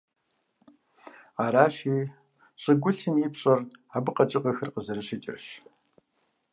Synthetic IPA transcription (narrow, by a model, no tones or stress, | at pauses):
aːɾaːɕiː | ɕʼɪɡʷʊɬɨmiːpɕʼɐrabɨqɐt͡ʃʼɪqɐxɐrqəzɐɾɨɕɪt͡ʃʼɐ̰ɕ